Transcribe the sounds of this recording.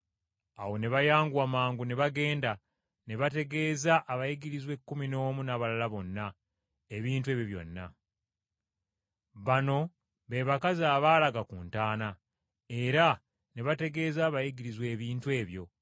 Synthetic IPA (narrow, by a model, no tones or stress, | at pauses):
awo̞ne̞βajaːŋɡwamaːŋɡuneβaɡe̞ːnda | ne̞βate̞ɡe̞ːzaʔaβajiɡiɾizwe̞kːumino̞ːmunaβalalaβo̞nːa | eβiːntue̞βjoβjo̞̰nːa̰ | βano̞ | βe̞βakaziaːβaːlaɡakuːntaːna | e̞ɾa | ne̞βate̞ɡe̞ːzaːβajiɡiɾizwe̞ːβiːntwe̞ːβjo̞̰